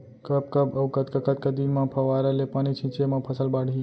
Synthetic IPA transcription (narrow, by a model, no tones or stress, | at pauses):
kəb̚kəbɐwkət̪kakɐt̪̚kad̪inmãpʰɐʋaɾalepaːnit͡ʃʰĩt͡ʃemãpʰəsəlbaːɽ̤ʱi